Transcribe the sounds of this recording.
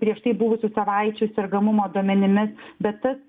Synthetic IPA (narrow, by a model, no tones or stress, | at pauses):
pʲɾʲiɛʃt̪ɐɪbʊʋʊsʲʊsɐʋɑɪt͡ʃʲʊsʲɛɾɡɐmʊmoːd̪uɔmʲɛnʲɪmʲɪsbʲɛt̪ːɐs